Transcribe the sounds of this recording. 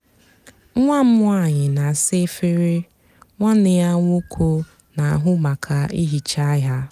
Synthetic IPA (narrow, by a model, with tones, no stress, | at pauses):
ŋʷa˦m̩˦mʊ˦a˨ɲɪ˨na˨a˨sɪ˦fɪ˦ɾɪ˦ | ŋʷa˦nɪ˨˦a˦ŋʷu˦kʰo˦ | na˨a˨ɦʊ˦ma˨kʰa˨i˦ɦi˨t͡ʃa˦ɦa˦